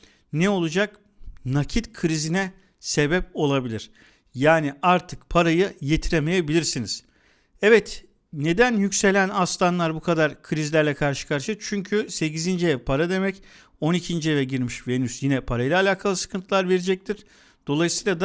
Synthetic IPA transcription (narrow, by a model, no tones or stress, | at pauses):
nɛo̞lˠud͡ʒak | nacʰit̪kʰɯɾizinɛ | se̞bɛp̚o̞lˠabilʲiɾ̥ | jaːniaɾt̪ʰɯkpʰaɾajɯje̞t̪ʰiɾeme̞jebilʲiɾsiniz̥ | ɛvɛt̪ | ne̞d̪ænjycse̞lʲænast̪ʰanlˠaɾbukʰad̪aɾkʰɯɾizilʲæɾlʲɛkʰaɾʃɯ̥kʰaɾʃɯt͡ʃʰyɲcʰyse̞cizind͡ʒɛɛpʰaɾad̪e̞mɛc | o̞nicʰind͡ʒiɛvʲɛɟiɾmiʃvenysjinɛpʰaɾajɯlˠaːlʲaːkʰalˠɯsɯ̥kʰɯnt̪ʰɯlˠaɾve̞ɾed͡ʒɛc̚t̪ʰiɾ̥ | d̪̥o̞lˠajɯsɯjlˠad̪